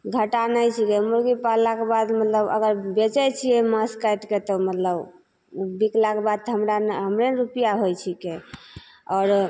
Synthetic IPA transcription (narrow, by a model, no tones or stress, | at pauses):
ɡʱəʈanajt͡ʃʰikemuɾɡipalakebad̪mət̪ləbə̰ɡəɾbet͡ʃɛt͡ʃʰiɛməskajʈket̪ɔmət̪ləb | biklakebad̪̚t̪ɦəmɾanɦəmɾeɾupijaɦojt͡ʃʰike | ɔɾ